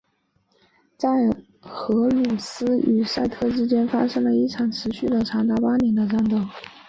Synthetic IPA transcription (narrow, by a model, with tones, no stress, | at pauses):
t͡sa˥˩ɪ | xɤ˧˥lu˨˩sɹ̩˥y˨˩sa˥˧ɪt̪ʰɤ˥˩ʈ͡ʂɻ̩˥t͡ɕjɛ˥nfa˥ʂɤ˥ŋlə˨i˥˩ʈ͡ʂʰɑ˨˩ŋʈ͡ʂʰɻ̩˧˥ɕy˥˩d̪ə˩ʈ͡ʂʰɑ˧˥ŋt̪a˥˩pa˥njɛ˧˥nd̪ə˧ʈ͡ʂa˥nt̪o˥˩ŋ